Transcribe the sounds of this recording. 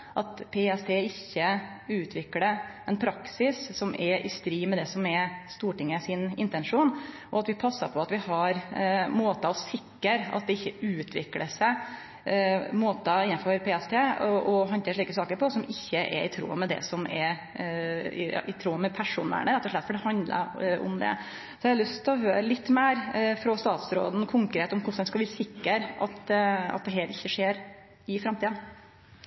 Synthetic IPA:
ʔɑt̪pʰeːɛst̪ʰeːɪçːə | ʉːt̪ʰʋɪkləɛnpʰɾɑksɪssɔmʔɛʔɪst̪ɾiːmɛd̪ɛsɔmɛst̪uːʈɪŋːəsɪnɪnt̪ɛnʂuːn | ʔɔɑt̪ʋɪpʰɑsːɑpʰɔɑt̪ʋɪhɑɾmoːt̪ɑɔsɪkːəɾɑ̰t̪̚d̪ɛɪçːəʉːt̪ʰʋɪ̰klə̰sɛ | moːt̪ɑɪnːɑfɔɾpʰeːɛst̪ʰeːʔɔɦɔnt̪eːʂɭiːkəsɑːkəɾpʰɔsɔmɪçːəʔɛ̰ɾɪt̪ʰɾṵːmɛd̪ɛ̰sɔmɛɾ | ɪɑ̰ʔɪt̪ʰɾuːmɛpʰæʂṵːnə̰ɳəɾɛt̪ːɔʂɭɛt̪fɔɖɛhɑnd̪lə̰ɾɔ̰md̪ɛ̰ | sɔɛlʉst̪ʰɪɔɦøːɾəlɪt̪ːmeːɾfɾɔst̪ɑːt̪sɾo̰ːd̪n̩kʰʊŋkɾeːt̪ɔmkʰʊʂd̪ɛnskɑʋɪsɪkːəɾʔɑ̰t̪ɑ̰t̪̚d̪ɛɦɛːlɪçːəʂeːɾ | ɪfɾɑmt̪iːɑ

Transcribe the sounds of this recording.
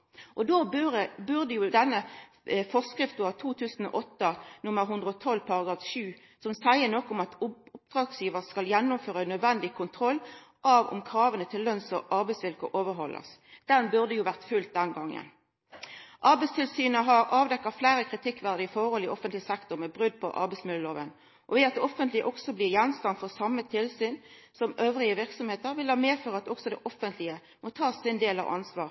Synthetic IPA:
ʔɔd̪oːbʉʁəbʉʁd̪əjuːd̪ɛnːə | fɔʁskʁɪft̪̩ɑt̪ʰuːt̪ʰʉːsn̩ɔ̰ʔɔt̪ːənʊmːəʁɦʉnd̪ʁəɔt̪ʰɔlːpʰɑʁɑɡɾɑːfʃʉː | sɔmsæɪənɔkːɔmɑt̪ʊp̚d̪̥ʁɑːɡsjiːʋəʁskɑljɛnːʊmføːʁnœd̪ʋɛnd̪ɪkʰʊnt̪ʰʁɔlː | ʔɑʋɔ̰mkʰɾɑːʋənət̪ʰɪlːœnsɔʔɑʁbæɪsʋɪlkɔ̰ʔoːʋəɾɦɔlʔɑ̰sd̪̥ɛnbʉʁd̪əjuːʋæʁt̪fʉlt̪̚d̪ɛnɡɑŋːə̰n | ʔɑɾbɛɪst̪ʰɪlsyːnəɦɑɾɑːʋd̪ɛkːɑflæːɾəkʰʁɪt̪ʰɪkːʋæʁd̪əɪfɔhɔlɪʔɔfənt̪lɪsɛkt̪ʊʁmɛbʁʉd̪̚pʰɔ̰ʔɑ̰ʁbɛɪsmɪlːəloːʋən | ʔɔʋɪɑt̪̚d̪ɛɔfənt̪lɪə̰ʔɔksɔbliːjɛnst̪ɑnfɔʁsɑmːət̪ʰɪlsyːn | sɔmʔøːʋʁɪəʋɪʁksɔmheːt̪əɾʋɪlhɑːmeːføːʁɑt̪̚ɔksɔd̪ɛʔɔfənt̪lɪə | mɔt̪ʰɑːsɪnd̪eːlɑ̰ʋʔɑ̰nsʋɑ̰ːʁ

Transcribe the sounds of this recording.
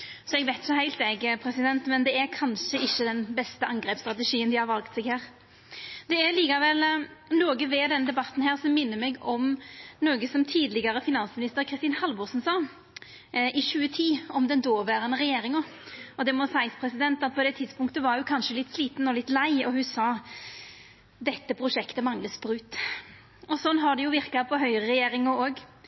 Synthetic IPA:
sɔɛɡʋæɪt̪jʊhæɪlt̪ɛɡpʰɾɛsɪd̪ɛnt̪mɛnd̪ɛæɾkʰɑnʂəɪçːəd̪ɛnbɛst̪əʔɑŋɡɾɛːpst̪ɾɑt̪əʂiːənd̪ɪhɑɾʋɑlkt̪sɛɡhæːʁ | d̪̥ɛæɾliːkɑʋɛlnoːɡəʋɛd̪ɛnːd̪ɛbɑt̪ːn̩hæːʁsɔmːɪnːəɾmɛɡɔmnoːɡəsɔmt̪ʰiːd̪lɪɡɑɾəfɪnɑnsmɪnɪst̪əɾkʰɾɪst̪iːnhɑlbʊɾsnsɑː | ʔɪʃʉːət̪ʰiːɔmd̪ɛnd̪oːʋæːɾənəʁɛjeːɾɪŋɔ | ɔd̪ɛmɔsæɪspʰɾɛsɪd̪ɛnt̪ɑt̪̚pʰɔd̪ɛt̪ʰɪd̪spʊŋkt̪əʋɑɾjʊkʰɑnʂəlɪt̪ːsliːt̪nɔlɪt̪ːlæɪɔhʉsɑː | d̪ɛt̪ːəpʰɾʊʂɛkt̪əmɑŋləsbɾʉːt̪ | ɔsɔnːɦɑɖ̪ɛjʊʋɪɾkɑpʰɔɦœʏɾəʁɛjeːɾɪŋəoːɡ

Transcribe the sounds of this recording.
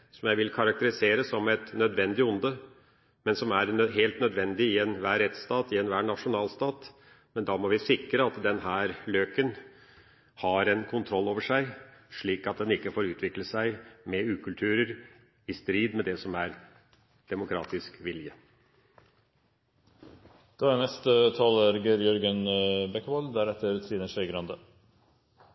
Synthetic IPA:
sɔmjæɪʋɪlkʰɑɾɑk̚t̪əɾɪseːɾəsɔmɛt̪nœd̪ʋɛnd̪ɪʊnd̪ə | mɛnsɔmæɾɦeːlt̪nœd̪ʋɛnd̪ɪɪɛnʋæːɾɛt̪st̪ɑːt̪ɪɛnʋæːɳɑʂʊnɑːlst̪ɑːt̪ | mɛnd̪ɑːmɔʋɪsɪkɾəɑt̪d̪ɛnɦæːɾløːkən | hɑɾɛnkʰʊnt̪ʰɾɔlːoːʋəʂæɪʂɭiːkɑt̪̚d̪ɛnɪkːəfoːɾʉːt̪ʰʋɪkləsæɪmɛʉːkʰʉlt̪ʰʉːɾəɾ | ɪst̪ɾiːd̪mɛd̪ɛsɔmæɾ | d̪̥ɛmʊkʰɾɑ̰ːt̪ɪskʋɪljə | d̪̥ɑænɛst̪ət̪ʰɑːləɾɡəɾjœɾɡənbɛkːʋɔld̪æːɾɛt̪ːəɾt̪ʰɾiːnəʂœʏɡɾɑnd̪ə

